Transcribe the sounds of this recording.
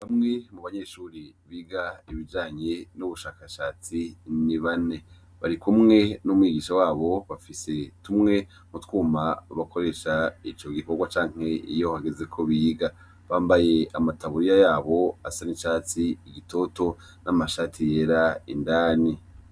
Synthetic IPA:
βamŋe̞muβaɲe̞ʃuːɾiβiːɡaiβid͡ʒaːɲenuβuʃaːkaʃaːt͡siniβane̞ | βaɾikumŋe̞numwiːɡiːʃawaːβo̞βafise̞tumŋe̞ | mutkuːmaβako̞ɾe̞ːʃait͡ʃo̞ɡiko̞ɡwat͡ʃaːŋ̥he̞ijo̞haɡeze̞kʰo̞βiːɡa | βaːmbaje̞amataβuɾijajaːβo̞asaniʃaːt͡siiɡitʰo̞to̞ | namaʃaːtʰijeːɾaindaːni

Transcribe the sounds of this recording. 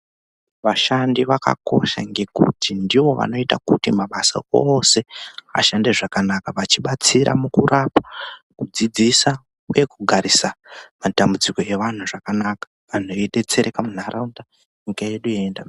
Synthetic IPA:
ʋaʃandiʋaka̰ko̞̰ʃa̰ŋɡe̞kṵtʰindiʋo̞ʋa̰no̞itakutimaɓasa̰ose̞a̰ʃande̞ʐakanakaʋat͡ʃiɓat͡siɾa̰mukurapa | kud͡zid͡zisa | uje̞kuɡʱaɾisamatambud͡ziko̞e̞ʋan̤uʐakanakḁ | ʋan̤oiɗe̞t͡se̞ɾekamun̤arʔaunta | ɲikaje̞ɗujeendam

